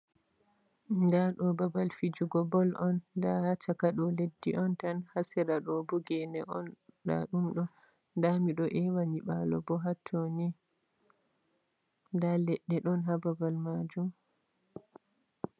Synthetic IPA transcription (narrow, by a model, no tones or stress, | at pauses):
ndaɗɔbabalfid͡ʒuɡɔbɔlʔɔndahat͡ʃakaɗɔledːiʔɔntanhasɛɾaɗɔbuɡɛnɛʔɔnɗa̰ɗumɗɔ | ndamiɗɔʔɛwaɲiɓalɔ̰bɔɦatʰːoni | ndalɛɗːɛɗɔnɦababalmad͡ʒum